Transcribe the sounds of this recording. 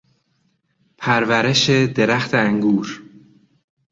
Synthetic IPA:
pʰæɾvæɾeʃed̪e̞ɾæxt̪ʰeæŋɡuːɾ

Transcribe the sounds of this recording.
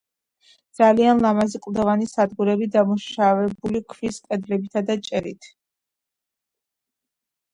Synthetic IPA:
d̪z̥alianlˠamaziqʼlˠd̪ɔvanisad̪ɡuɾɛbid̪amuʃavɛbulikʰviskʼɛd̪lɛbit̪ʰad̪at͡ʃʼɛɾit̪ʰ

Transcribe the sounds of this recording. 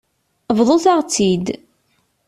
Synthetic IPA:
vðˤoθaʁt͡sːid̪

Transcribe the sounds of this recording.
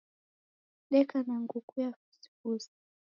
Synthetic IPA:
ɗɛkanaŋɡukujafisi̥kusi̥

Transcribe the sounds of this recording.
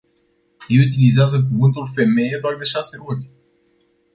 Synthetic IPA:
jeut̪̬ilizeazək̬uvɨnt̪ulfe̞me̞jed̪oard̪e̞ʃase̞urʲ

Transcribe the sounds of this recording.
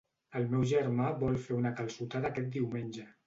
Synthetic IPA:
əlˠmɛwʒəɾmaβɔlˠfeunəkəlˠsut̪aðaːkɛt̪̚d̪iwmenʲʒə

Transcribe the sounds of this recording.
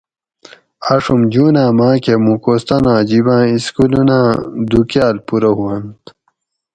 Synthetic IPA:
aʂumd͡ʑuːnãːmãːkemũkoːst̪ɐnãːd͡ʑibãːiskulunãːd̪ukjaːlpuɾɐɦuwɐnt̪

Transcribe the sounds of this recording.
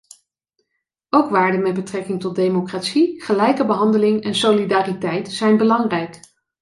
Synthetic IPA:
owkʋaːɹdənmɛd̚bətrɛkɪŋtɔt̚dejmokraːtsiχəlɛjkəbəɦɑndəlɪŋɛnsolidaːritɛjtsɛjnbəlɑŋrɛjk

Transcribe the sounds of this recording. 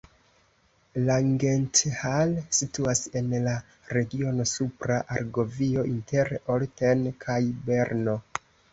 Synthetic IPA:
laŋɡenthalsituase̞nla | ɾe̞ɡio̞no̞supɾaʔaɾɡo̞vio̞ʔinte̞ɾoltenkʰajbe̞ɾno̞

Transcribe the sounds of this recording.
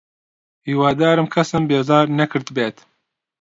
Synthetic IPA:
hiːwɑːd̪aːɾɨmkʰɐsɨmbeːzɑːɾnɛkʰɨɾd̪beːt̪

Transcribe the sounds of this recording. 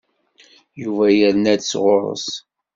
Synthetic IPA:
juvæjəɾnæd̪sʁʊɾˤə̰s

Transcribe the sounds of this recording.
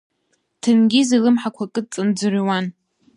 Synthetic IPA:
tʰɨnɡʲizilɨmħakʷʰakʼɨt͡sʼɨnd͡zɨriwan

